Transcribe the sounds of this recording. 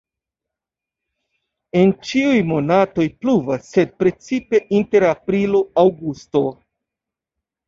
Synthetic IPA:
e̞nt͡ʃiujmo̞nato̞jpluvasːe̞d̚pɾe̞t͡sipe̞ʔinte̞ɾapɾiloawɡusto̞

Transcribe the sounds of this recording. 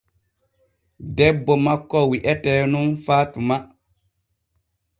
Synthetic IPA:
dɛbːɔmakːɔwiʔɛtɛːnunfaːtuma

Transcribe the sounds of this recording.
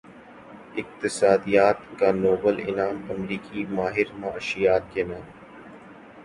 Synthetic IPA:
ɪk̚t̪ɪsaːd̪ijaːt̪kaːnoːbəlɪ̰naːmɐmɾiːkimaːɦɪɾmãəʃijaːt̪̚keːnaːm

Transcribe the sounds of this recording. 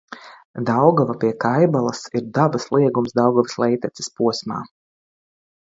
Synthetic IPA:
d̪awɡɔvapʲiɛkajbalˠɐsiɾd̪abaslˠiɛɡumsd̪awɡɔvslˠɛjt̪ɛt̪sɛ̥spuɔsma̰ː

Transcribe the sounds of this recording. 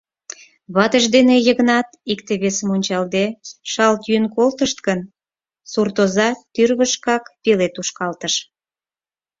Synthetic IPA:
βɑt̪əʒd̪enejəɣnɑt̪ikt̪eβesəmunʲt͡ɕɑld̪eʃɑlt̪jynkolt̪əʃt̪kən | surt̪ozɑt̪yrβəʃkɑkpelet̪uʃkɑlt̪əʃ

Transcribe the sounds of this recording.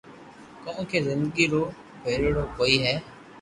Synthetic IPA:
kõːkeːzɪ̃nd̪əɡiːɾoː | peːɾeːɽoːkoːiːɦɛː

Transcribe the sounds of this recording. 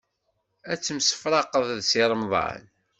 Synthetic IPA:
æt͡sːəmsə̥fɾˤɑqəðˤðsiɾˤəmðˤɑ̰n

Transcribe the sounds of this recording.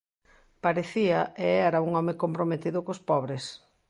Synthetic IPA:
paɾeθiɐeɛɾauŋɔmɪkompɾomet̪iðʊkospɔβɾes

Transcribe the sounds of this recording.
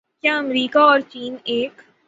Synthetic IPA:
kjaːɐmɾiːkaɔːɾt͡ʃiːneːk

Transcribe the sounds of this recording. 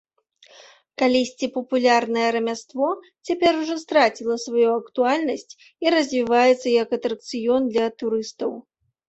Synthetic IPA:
kalʲisʲt͡sʲipɐpulʲarnɐjɛɾɐmʲast̪vɔ | t͡sʲapʲɛɾuʐɔst̪ɾat͡sʲilˠɐsvajuɐkt̪ualʲnɐsʲt͡sʲ | iɾɐzʲvʲivajɛt̪sːɐjɐkɐt̪ɾɐk̚t̪sɨjɔnd̪lʲɐt̪uɾɨst̪ɐw

